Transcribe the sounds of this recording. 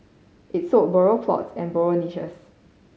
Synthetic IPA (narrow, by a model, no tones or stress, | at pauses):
ʔit̚sot̚bɔɹopʰlɔ̰tsɛ̃nbɔɹoniʃə̰s